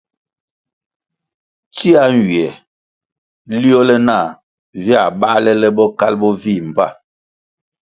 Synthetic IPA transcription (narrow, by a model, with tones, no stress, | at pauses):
t͡ʃi˦a˦ŋ˨ɡi˨ɛ˨ | li˦ɔ˦lɛ˦na˦˨ | vi˦a˨ɓa˦lɛ˦lɛ˦bɔ˦ka˦lbɔ˦vi˦˨m˨ba̰˦˨